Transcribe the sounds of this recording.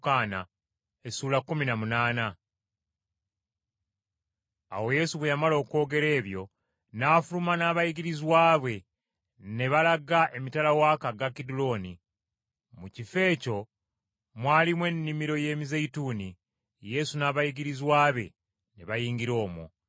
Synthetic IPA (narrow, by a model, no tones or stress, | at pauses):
kaːna̰ | esuːlakːuminamunaːna | a̰wo̞je̞suβwejamalo̞ːko̞ːɡe̞ɾe̞ːβjo̞ | naːfulumanaːβajiɡiɾizwaːβwe̞ | ne̞βalaɡaʔe̞mitalawakaɡakidulo̞ni | mucife̞ːco̞ | mwaːlimwe̞nːimiɾo̞je̞ːmizeituni | je̞sunaːβajiɡiɾizwaːβe̞ | ne̞βajiːŋɡiɾo̞ːmṵ